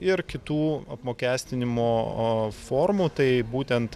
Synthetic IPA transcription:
ɪɾkʲɪt̪uːɐpmoːkʲæːsʲt̪ʲɪnʲɪmoːfoːɾmuːt̪ɐɪbuːt̪ʲɛnt̪

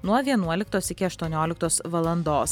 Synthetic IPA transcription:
nuɔʋʲiɛnuɔlʲɪkt̪oːsɪkʲɪɐʃt̪uɔnʲoːlʲɪk̚t̪oːsʋɐlˠɐnd̪oːs

